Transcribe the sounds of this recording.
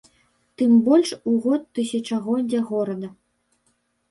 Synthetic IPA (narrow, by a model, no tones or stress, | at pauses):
t̪ɨmbɔlʲʂuɣɔt̪ːɨsʲɐt͡ʂɐɣɔd͡zʲaɣɔɾɐd̪ɐ